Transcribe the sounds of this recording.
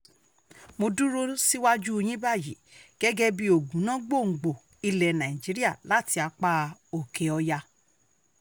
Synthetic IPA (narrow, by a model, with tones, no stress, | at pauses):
mo˧dũ˦ɾo˦si˦wa˦d͡ʒu˦˧j̃ĩ˦ba˦˨jḭ˨˦ɡ̥ɛ˦ɡɛ˦bi˦o˨ɡũ˨˦nã˦ɡ͡bo˦˨ŋ̩˨ɡ͡bo˨ | i˧lɛ˨nã˨i˨d͡ʒi˨˦ɾi˦a˦˨la˦ti˧a˧k͡pa˦o˨ke˨ɔ˧ja˧